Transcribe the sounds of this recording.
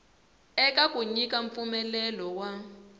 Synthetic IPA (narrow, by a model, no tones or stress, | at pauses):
ɛkakuɲikaɱfumɛlɛlɔwa